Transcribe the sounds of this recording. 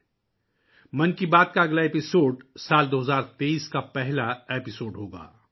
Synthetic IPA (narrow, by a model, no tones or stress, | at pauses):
mɐ̃nkibaːd̪̚kaɐɡlaeːpɪsoːɖsaːld̪oːɦɐəzaːɾt̪eiːskapɛɦlaeːpɪsoːɖɦoːɡa̰ː